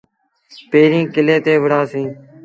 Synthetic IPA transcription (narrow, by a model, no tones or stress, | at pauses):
peːɾĩːkɪleːt̪eːʋəɽãːsĩː